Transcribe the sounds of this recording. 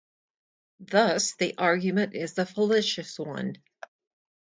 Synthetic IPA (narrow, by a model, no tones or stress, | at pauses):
ðʌsðiʔɑɹɡjɨmɨ̃ntɪzðəfəlɪʃɨswʌ̰̃n